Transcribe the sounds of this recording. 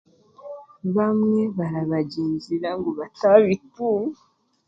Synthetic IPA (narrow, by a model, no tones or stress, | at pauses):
βamŋe̞βaɾaβaɟiːnziɾaŋɡoβataβituŋ